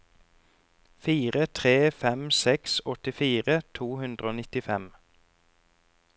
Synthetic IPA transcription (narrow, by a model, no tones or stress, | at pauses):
fiːʁət̪ʰʁeːfɛmsɛksɔt̪ɪfiːʁət̪ʰuːhʉnd̪ʁəoːnɪt̪ɪfɛm